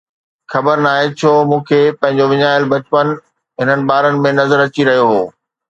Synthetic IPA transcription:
xɐbəɾnaːɦet͡ɕʰoːmũːkʰepɐ̃ɦɪ̃ɲ̆d͡ʑoʋɪɲaːjəlbɐt͡ɕpən | ɦɪnənɪ̆ɓaːɾənɪ̆mẽnɐzəɾɐt͡ɕiɾɐɦijoɦoː

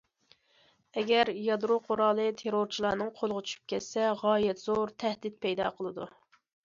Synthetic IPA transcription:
ɛɡʲɛɾjɑd̪ɾoqʰoɾɑːlˠɨt̪ʰeɾoɾt͡ʃʰilˠɑːnɨŋqʰolˠʁət͡ʃʰy̥ʃy̥p̚kʲɛt̪sɛʁɑːjɛt̪z̥oɾt̪ʰɛhd̪ɪt̪̚pʰɛjd̪ɑ̰ːqʰəlˠɨd̪u

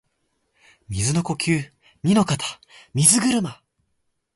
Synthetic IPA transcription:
mʲizɨno̞ko̞kʲɨː | ɲʲino̞kat̪ʰḁ | mʲizɨɡɯ̟ɾɯ̟ma

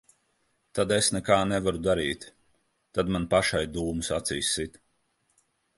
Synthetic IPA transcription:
t̪ad̪esnɛkaːnɛvaɾud̪aɾiːt̪ | t̪ad̪manpaʃajd̪uːmusat̪sijsːit̪

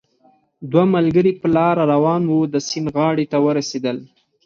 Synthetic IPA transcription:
d̪wamalɡəɾipəlɑɾaɾawɑnwud̪əsinɣɑɽet̪awəɾased̪əl

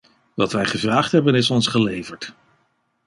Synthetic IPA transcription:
ʋɑtʋɛjχəvraːχtɦɛbənɪsɔnsχəlejvəɹt

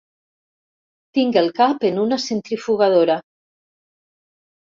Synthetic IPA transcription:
t̪iŋɡelˠkapenunasent̪ɾifuɣaðoɾa

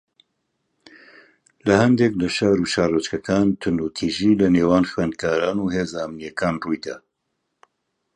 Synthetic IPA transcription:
lɐhɐnd̪eklɐʃaːɾuʃaːrət͡ʃkɐkʰaːnt̪ʰʊndut̪ʰiːʒilɐneːwaːnxwend̪̚kʰaːɾaːnuːheːzaʔəmnijɛkʰaːnrujd̪a̰ː

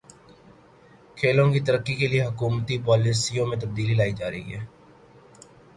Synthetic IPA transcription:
kʰeːlõkit̪əɾəkːikelieɦʊkuːmt̪ipɔːlisijõmẽt̪ɐb̚d̪iːlilaːid͡ʒaːɾə̰ḭɦɛː

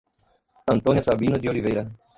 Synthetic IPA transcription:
ãnt̪oːnjasabiːnod̪ioɾivejɾa

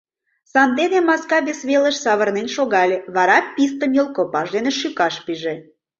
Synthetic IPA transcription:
sɑnd̪enemɑskɑβesβeləʃsɑβərnenʃoɣɑlʲeβɑɾɑpʲːist̪əmjolˠkopɑʒd̪eneʃykɑʃpiʒe

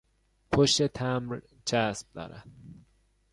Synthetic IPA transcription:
pʰoʃt̪e̞t̪ʰæmɾ | t͡ʃʰæsb̥̚d̪ɒ̰ːɾæ̰d̪̥

